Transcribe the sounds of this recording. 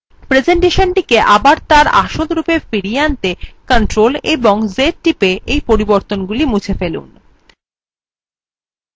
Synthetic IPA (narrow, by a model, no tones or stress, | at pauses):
pɾed͡ʑeɳʈeʃonʈikeʔabaɾt̪aɾa̰ʃot̪ɾupefiɾieant̪ekaɳʈɾoleboŋzeʈʈipeʔejpoɾiboɾt̪onɡulimut͡ɕʰefelṵn